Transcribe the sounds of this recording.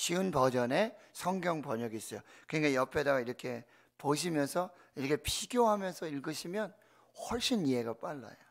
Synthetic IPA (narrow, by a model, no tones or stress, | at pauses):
t͡ɕiɯnbʌd͡ʑʌne̞sʰʌŋɡjʌŋpʌɲʌɡiːs͈ʌjokɯɲiɡaijʌpʰe̞daɡaiɾʌkʰe̞ | poɕ̬ʰimjʌnsʰʌ | iɾʌkʰe̞pʰiɡjoɦamjʌnsʰʌiɭɡɯɕʰimjʌn | hwʌɭɕ͈iniɦe̞ɡap͈aɭːa̰jo